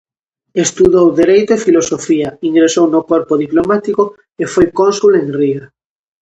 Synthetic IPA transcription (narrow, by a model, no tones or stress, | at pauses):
est̪uðowðeɾejt̪efilosofiaiŋɡɾesownokwoɾpoðiplomat̪iko | efojkõnsuleŋria